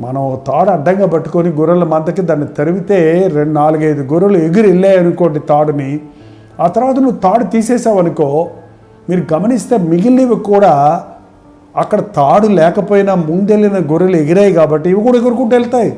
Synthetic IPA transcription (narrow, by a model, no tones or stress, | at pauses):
mɐnɐot̪aːɽɐɖːɐŋɡɐpɐʈːu̥koniɡuɾɐlɐmɐnd̪ɐkːed̪ɐnːɐt̪ɐɾuʋit̪eːɾeɳɖnaːluɡɐjd̪uɡuɾɐlueɡiɾilːeɐnukoːɳɖit̪aːɽuni | ɐt̪ɐɾɐʋɐd̪ɐnuːt̪aːɽut̪iːseːsaːʋɐnɐkoː | miːɾuɡɐmɐnist̪eːmiɡilːiʋɐkuːɽaː | ɐkːɐɽɐt̪aːɽulɛːkɐpoːjinaːmund̪elːinɐɡuɾɐleɡiɾaːjkaːbɐʈːiiʋɐkuːɽɐeɡɐɾukuːʈɛlt̪aːji